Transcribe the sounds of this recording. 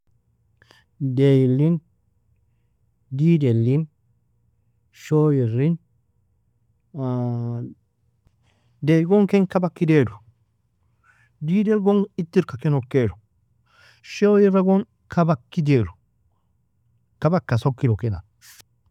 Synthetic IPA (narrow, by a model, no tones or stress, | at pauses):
dejilin | didelːin | ʃojiɾin | deɡɔŋkɛŋkabakːidedu | didelɡoŋitːiɾkakenokːeɾu | ʃojiɾaɡon | kabakːideɾu | kabakːasokːilokina̰n